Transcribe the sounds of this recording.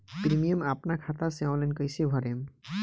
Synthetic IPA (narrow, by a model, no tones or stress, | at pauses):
pɾimijəmapnakʰat̪asẽɔ̃lankəjsebʱɔɾem